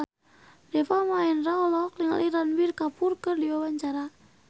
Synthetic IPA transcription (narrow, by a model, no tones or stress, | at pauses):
dɛfamaɛnraɔlɔɔkliŋa̰lʔiɾanbirkapurkərdiawaɲt͡ʃaɾa